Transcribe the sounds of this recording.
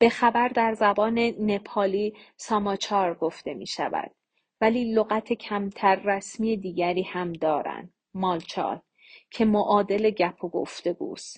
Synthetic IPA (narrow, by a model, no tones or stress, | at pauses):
b̥e̞xæbæɾd̪æɾzæbɒːne̞ne̞pʰɒːliːsɒmɒt͡ʃʰɒːɾɡo̞ft̪e̞mḭːʃæ̰væ̰d̪̥̚ | væliːloɣæt̪ʰe̞cʰæmt̪ʰæɾːæsmiːje̞d̪iːɟæɾiːhæmd̪ɒːɾæ̰nd̪̥ | mɒːlt͡ʃʰɒ̰ːt̪ | cʰe̞moʔɒːd̪e̞le̞ɟæpʰoɡo̞̰ft̪e̞ɡṵːst̪